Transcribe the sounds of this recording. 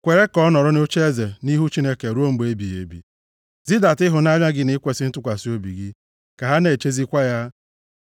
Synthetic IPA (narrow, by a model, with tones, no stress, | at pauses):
kʷe˨ɾe˦kɔ˦nɔ˨ɾɔ˦no˦t͡ʃe˦ze˨ni˦ɦu˦t͡ʃi˦ne˦ke˨ɾo˦m̩˦be˦bi˨jḛ˨bḭ˨ | zi˦da˨tɪ˦ɦʊ˨na˦ɲa˦ɡɪ˦nɪ˦kʷe˨sɪ˦n̩˦tʊ˦kʷa˨si˦o˦bi˨ɡɪ˦ | ka˨ɦa˦ne˨t͡ʃe˦zi˦kʷa˦ja˦